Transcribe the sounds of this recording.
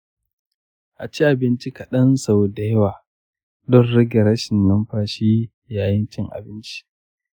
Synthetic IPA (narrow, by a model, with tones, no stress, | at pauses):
ʔa˨t͡ʃi˦ʔa˨bɪ˦nt͡ʃi˦kɐ˨ɗɐ˦nsa˨wda˦jwaː˨ | dɔ˦rɽɪ˦ɡʲe˨ɾɐ˦ʃɪ˨nːɐ˦mɸaː˦ʃiː˦ | jaː˨jɪ˦nt͡ʃɪ˦ŋʔa̰˨bɪ˦nt͡ʃi̥˦